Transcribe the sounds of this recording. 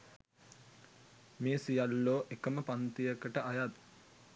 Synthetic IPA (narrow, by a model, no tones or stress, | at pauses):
meːsijalːoːʔekəməpant̪ijəkəʈəʔajat̪